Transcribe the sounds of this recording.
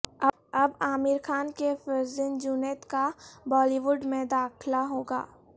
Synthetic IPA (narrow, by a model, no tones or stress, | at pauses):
ɐ | ɐbaːmɪɾxʰaːnkefɪɾzənd͡ʒunet̪kabɔːliʋʊɖmẽd̪aːkʰlaɦoːɡa̰ː